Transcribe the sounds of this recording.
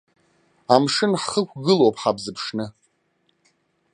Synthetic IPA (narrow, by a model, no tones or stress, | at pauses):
amʂɨnħχəkʷɡɨlowpʰħabzɨpʰʂnɨ